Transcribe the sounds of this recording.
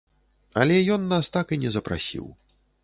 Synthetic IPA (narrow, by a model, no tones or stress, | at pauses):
ɐ̰lʲɛjɔnːast̪akinʲɛzɐpɾa̰sʲḭw